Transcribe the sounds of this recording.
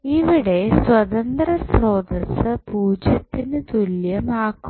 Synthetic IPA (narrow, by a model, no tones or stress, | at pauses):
iʋiɽe̞swɐt̪ɐnd̪rɐsroːd̪ɐsɨpuːd͡ʑjɐt̪ːinɨt̪uljɐmaːkːu